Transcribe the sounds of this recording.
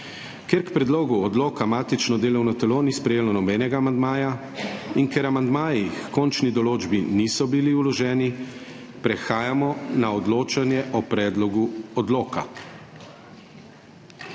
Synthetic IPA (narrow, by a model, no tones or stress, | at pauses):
kjeɾkpɾɛd̪loːɡuɔd̪loːkamaːt̪it͡ʃnɔd̪eːlɔwnɔt̪ɛlonispɾɛjeːlɔnɔbɛːnɛɡaːmand̪maːja | iŋkɛɾamand̪maːjixkɔnt͡ʃnid̪ɔloːd͡ʒbinisɔbiliulɔʒɛːni | pɾɛxaːjamɔnaɔd̪loːt͡ʃanjɛʔɔpɾɛːd̪lɔɡuɔd̪loːka̰